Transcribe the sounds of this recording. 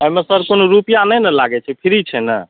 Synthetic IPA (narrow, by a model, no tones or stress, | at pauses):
əɦmesəɾkonoɾupijanəjnəlaɡɛt͡ʃʰɛpʰiɾit͡ʃʰɛnə̰